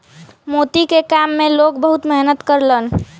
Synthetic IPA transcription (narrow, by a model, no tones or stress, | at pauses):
mot̪ikekamːelok̚bəɦut̪mɛɦnət̪kəɾlən